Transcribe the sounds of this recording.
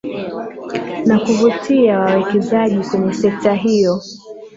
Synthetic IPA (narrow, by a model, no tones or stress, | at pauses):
nakuvutiawawɛkɛzaʄikwɛɲɛsɛk̚taɦijɔ